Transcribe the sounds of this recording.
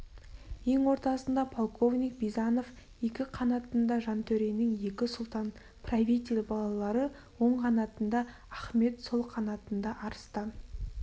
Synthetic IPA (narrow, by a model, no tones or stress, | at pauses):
jeŋwo̞ɾt̪ɑsənd̪ɑpʰolˠkʰo̞vnʲijk̚bijzɑno̞f | e̞kʲɪqʰɑnɑt̪ənd̪ɑʒɑnt̪ʰɵɾe̞nɪŋje̞kʲɪsʊlˠt̪ɑn | pʰravʲitʲelʲbɑlˠɑlˠɑɾə | wo̞ɴqʰɑnɑt̪ənd̪ɑ | æχme̞t̪so̞lˠqʰɑnɑt̪ənd̪ɑʔɑɾəst̪ə